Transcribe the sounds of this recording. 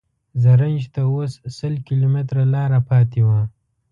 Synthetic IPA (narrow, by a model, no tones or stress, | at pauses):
zaɾand͡ʒt̪aosːəlkilomet̪ɾalɑːɾapʰɑːt̪iwa